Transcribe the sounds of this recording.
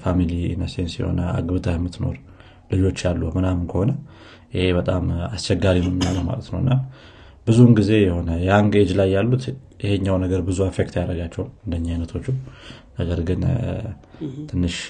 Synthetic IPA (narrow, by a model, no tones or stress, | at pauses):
familinəsensjɛ̰ho̞̰nəa̰ɡɨβt̪ʰəhmːɨt̪no̞̰ɾ | lɨd͡ʒo̞t͡ʃːjalːumɨnamnkʰəho̞nə | jɪhe̞βət̪ʼamast͡ʃɛɡːaɾiməmːjaləwma̰lət̪nəwɨnːa | bɨzunɡize̞jɛho̞nəjaŋɡed͡ʒlajːalːut̪ | jɪheɲːawnəɡəɾbɨzuefekt̪jaɾəɡat͡ʃːɛwuɨnd̪əɲːajnət̪ʰo̞t͡ʃːunəɡəɾɡɨn | t̪ʰɨnːɨʃ